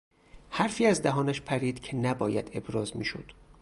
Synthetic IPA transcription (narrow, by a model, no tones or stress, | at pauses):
hæɾfiːæzd̪æɦɒːnæʃpʰæɾiːd̪̥cʰenæbɒːjæd̪e̞bɾɒːzmḭːʃo̰d̪̥